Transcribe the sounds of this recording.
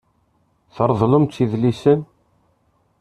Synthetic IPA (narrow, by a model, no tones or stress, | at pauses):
θəɾˤðˤlʊmt͡s̪ːiðlisən